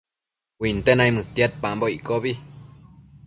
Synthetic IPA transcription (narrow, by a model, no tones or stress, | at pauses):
wint̪enajmɨt̪jat̪̚pamboiʔkoβi